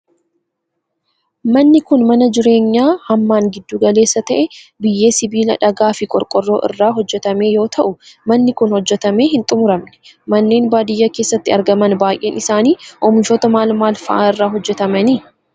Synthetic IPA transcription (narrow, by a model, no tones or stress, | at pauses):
mɐnːɪkʊnmɐnɐd͡ʒɪɾe̞ːɲːaːhɐmːaːŋɡɪd̪ːuːɡɐleːsːɐt̪ɐʔɛbɪjːe̞ːsɪbiːlɐᶑɐɡaːfɪkʼɔɾkʼɔrːo̞ːʔɪ̰rːaːɦɔd͡ʒːɛt̪ɐme̞ːjo̞ːt̪ʰɐʔʊmɐnːɪkʊnhɔd͡ʒːɛt̪ɐme̞ːɦɪnt̪ʼʊmʊɾɐmnɛ̥mɐnːe̞ːnbaːd̪ɪjːake̞ːsːɐt̪ːɪɐɾɡɐmɐnbaːjʔe̞ːnɪsaːniːʔɔmɪʃoːt̪ɐmaːlmaːlfɐʔaːɪrːaːɦɔd͡ʒːɛt̪ɐmɐniː